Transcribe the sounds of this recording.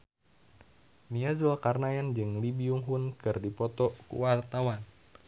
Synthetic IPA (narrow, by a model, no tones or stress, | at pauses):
niazuakarnajand͡ʒɨŋlibiuŋɦunkɨrdipɔt̪ɔkṵwart̪awan